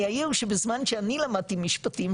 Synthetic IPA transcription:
ajiuʃebezmanʃeanilamad̪̚t̪imiʃpat̪im

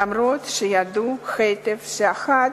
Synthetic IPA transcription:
amɾot̪ʃejad̪uxet̪efʃeaxat̪

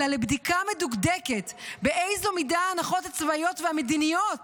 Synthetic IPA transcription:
alebd̪ikameduɡd̪eketbeʔejzo̞midaːnaχo̞that͡svaijo̞tveamed̪inijot

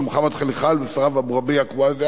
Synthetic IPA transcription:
mχamat̪χaliχalvesaʁavabʁabiakbaze

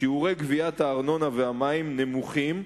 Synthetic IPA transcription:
iuʁe̞jɡviathaːʁno̞naveamaimne̞muχim

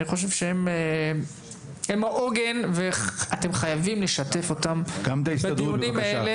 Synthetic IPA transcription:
niχo̞ʃ̬e̞v̥ʃeheme | hemaʔoɡenveate̞mχajavimle̞ʃate̞fo̞tamɡ̥amt̪aisbead̪uunimaele

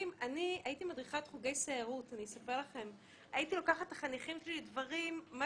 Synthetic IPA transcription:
imaniaitimadʁiχat̪χuɡe̞jseaʁutaniesapeʁlaχe̞m | aitilo̞kaχat̪aχaniχimʃellidvaʁimːa

